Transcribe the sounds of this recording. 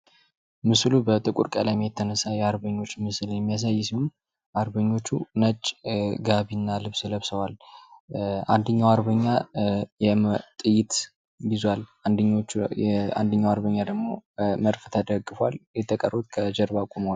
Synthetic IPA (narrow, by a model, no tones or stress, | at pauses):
mɨslubət̪ʼɨkʼṵɾkʼəlamijɛt̪ʰːənəsajɛaɾbəɲːo̞t͡ʃːmɨsɨljɛmːijas̬ajːsihun | ʔaɾbəɲːo̞t͡ʃːunət͡ʃʼɡaβinːalɨβsləβsəwal | a̰nd̪əɲːawaɾbəɲːajɛmt̪ʼɨjɪt̪ | bɪzwaland̪ | a̰nd̪əɲːawaɾbəɲːad̪əɡmo̞̰məɾft̪ʰəd̪əɡːɨfəwa̰ljɛt̪ʰːəkʼərut̪kʰəd͡ʒɛɾbakʼuməwal